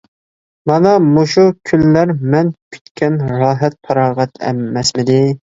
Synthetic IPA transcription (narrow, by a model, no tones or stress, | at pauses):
mɑnɑmoʃukʲʰylːæɾmɛnkʲʰy̥t̪kʲʰɛnɾɑːɦɛt̪̚pʰɑɾɑːʁɛt̪ʰɛ̰ːɛsmɪd̪ɪ